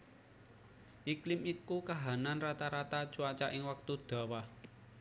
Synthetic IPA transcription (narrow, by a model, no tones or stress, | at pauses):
ʔiklɪmikukaɦananrat̪aɾat̪ḁt͡ʃuat͡ʃaʔɪŋwak̚t̪ud̪̥a̤wah